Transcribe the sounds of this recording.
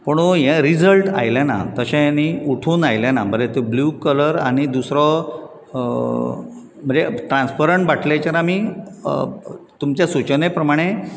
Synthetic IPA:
pəɳojẽɾid͡zəlʈa̰jlana̰t̪əɕãjanːiuʈʰuːnajlanaməɾet̪ebluːkələɾa̰ɽ̃id̪usɾɔ | m̤əd͡zeʈɾãnspəɾəɳʈbaʈʰlajt͡ɕaɾami | t̪umt͡ɕjasut͡ɕnepɾəmaɽ̃e

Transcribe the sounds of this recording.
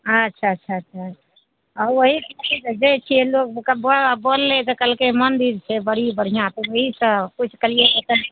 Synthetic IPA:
ətːʃʰaətːʃʰaətːʃʰa | ɔɾʋoɦikiid͡ʒet͡ʃʰielok̚kəbobolːet̪ɔkəlkemənd̪iɾt͡ʃʰebəɽ̤ibəɽ̤ijãt̪owəɦisə̃kut͡ʃʰkəlieʔot̪ən

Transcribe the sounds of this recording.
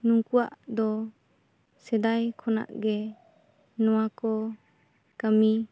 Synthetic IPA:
nuŋkuwa̰ʔd̪ɔ | sɛd̪ajkʰɔna̰ʔɡɛ | nɔwakɔ | kəmi

